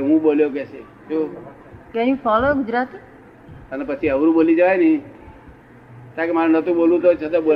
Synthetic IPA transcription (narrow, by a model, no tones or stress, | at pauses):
ɦũboljokɛse | t͡ʃo | keɦĩpʰɔloɡʊd͡ʒɾat̪i | ənepət͡ʃʰiəʋɾũbolid͡ʒəʋajnəĩ | t̪akemaɾnət̪ũboːlũt̪ot͡ʃʰət̪ɔbo